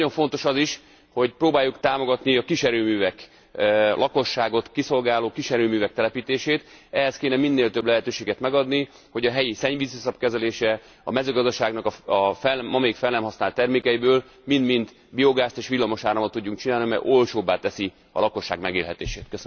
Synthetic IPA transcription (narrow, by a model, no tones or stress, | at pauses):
no̞ɱfo̞n̪t̪o̞ʃɒziʃ | ho̞ɟproːbaːjːukt̪aːmo̞ɡɒt̪niɒkiʃɛɾøːmyːvɛk | lʔɒko̞ʃːaːɡo̞t̪kiso̞lɡaːloːkiʃɛɾøːmyːvɛk̚t̪ɛlɛpiːt̪eːʃeːt̪ɛɦɛskeːnɛminːeːlt̪øblɛɦɛt̪øːʃeːɡɛt̪mɛɡɒd̪ni | ho̞ɟɒɦɛjisɛɲvizosɒp̚kɛzɛleːʃɛ | ɒ̰mɛzøːɡɒzd̪ɒʃaːɡnɒkɒɒfɛmɒmeːkfɛlːɛmɦɒsnaːlt̪ːɛrmeːkɛjibøːl | mind̪mint̪ | bijo̞ɡaːst̪eːʃʋilːɒmo̞ʃaːɾɒmot̪ːuɟːuŋk̚t͡ʃinaːlnimɛ̰jʔo̞lt͡ʃoːbːaːt̪ɛsi | ɒ̰lɒko̞ʃːa̰ːɡmɛɡeːlɦɛt̪ḛːʃeːt̪køs